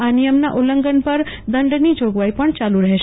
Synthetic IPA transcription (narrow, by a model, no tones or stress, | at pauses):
anijəmnaʔoləŋɡənpəɾ | d̪əɳɖnid͡ʒoɡʋaipəɳt͡ʃaluɾəɦeʃ